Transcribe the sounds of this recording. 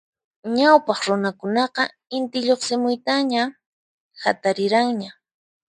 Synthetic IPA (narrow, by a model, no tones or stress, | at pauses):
ɲawpɑχɾʊnakʊnɑqɑ | ɪnt̪ɪʎoχsɪmʊjt̪aɲa | hat̪aɾɪɾaŋɲa